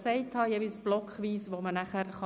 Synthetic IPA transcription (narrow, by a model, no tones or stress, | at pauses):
sɛɪthɑjevisb̥lɔkχʋiːsʋomənæχəɾχɑ